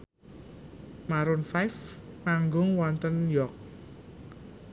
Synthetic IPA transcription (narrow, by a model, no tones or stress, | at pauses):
maɾʊnfajfmaŋɡʊŋwɔnt̪ənjɔk̚